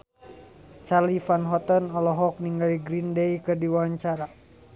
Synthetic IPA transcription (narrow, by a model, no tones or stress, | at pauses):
t͡ʃarlifanɦɔt̪ɔnɔlɔɦɔk̚niŋɡaliɡɾindejkɨrdiwaaɲt͡ʃaɾa